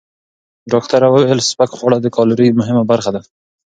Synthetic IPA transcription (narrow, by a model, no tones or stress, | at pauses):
ɖɑk̚t̪aɾawewelspakxwɑɽad̪əkɑlʊɾəjmʊɦɪmabaɾxad̪a